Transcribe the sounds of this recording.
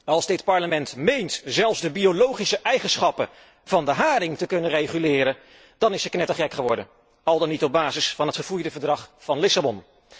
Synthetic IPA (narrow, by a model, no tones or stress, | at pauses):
ɑlˠzdɪtpɑɹləmɛntmejntzɛlˠfzdəbiolowχisəʔɛjχənsχɑpə | vɑndəɦaːɾɪŋtəkɵnərejχylɪːɾən | d̥ɑnɪsəknɛtəχɛkχəʋɔɹdən | ɑlˠdɑnːitɔb̚baːzɪsfɑnɦətχəvujdəvəɹdrɑχfɑnlɪsabɔn